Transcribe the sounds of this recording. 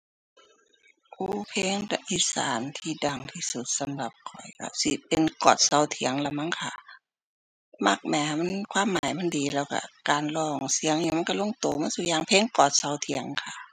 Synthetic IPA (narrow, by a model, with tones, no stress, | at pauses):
ʔuː˧˩pʰeː˧˥˨ŋlɛ˧ʔiː˧˩sa̰ː˨˦nt̪ʰiː˧da˨˩ŋt̪ʰiː˧˨su˧˦t̪̚sa˧˦mla˧p̚kʰɔ˨˩jka̰˧˩si˧˦pe˨nkɔː˨˩t̪̚sa˧˩wt̪ʰi˨˩˦əŋlɛ˧ma˧˥˨nkʰa˧˩ | ma˧˩k̚mɛː˨˩˧m˧˥˨nkʰwaː˧˥˨mːaː˨˦jma˧˥˨ndiː˨˦lɛː˧˩˨wka̰˧˩kaː˨nlɔː˧˩ŋsi˧əŋniː˧˨ma˧˥˨nka˧lo˧˥˨ŋt̪oː˨˩maː˧˥˨su˧˩jaː˧˩˨ŋpʰeː˧˥˨ŋkɔː˨˩t̪̚sa˧˩wt̪ʰi˨˩˦əŋkʰa˧˩